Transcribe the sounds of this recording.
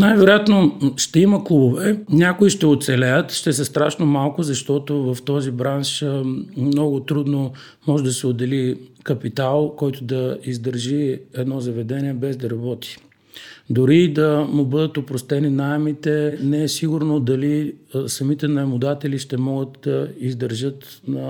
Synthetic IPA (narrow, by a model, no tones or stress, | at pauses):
najvɛɾojat̪noʃt̪ɛiməklˠubovɛnʲakʊiʃt̪ɛot̪sɛlɛjət̪ʃt̪ɛs̬ɛst̪ɾaʃnomalˠkʊzɐʃt̪ɔt̪ovɐft̪ɔzibɾanʃ | mnɔɡʊt̪ɾud̪no | mɔʒɛd̪ɐsɛʊd̪ɛlikɐpit̪alˠkɔjt̪ʊd̪ɐizd̪əɾʒiɛd̪nɔzɐvɛd̪ɛniɛbɛzd̪ɐɾɐbɔt̪i̥ | d̪ʊɾid̪ɐmubɤd̪ət̪opɾost̪ɛninajɛmit̪ɛnɛɛsiɡʊɾnod̪ɐlisɐmit̪ɛnɐɛmʊd̪at̪ɛliʃt̪ɛmɔɡət̪d̪ɐizd̪əɾʒət̪nɐ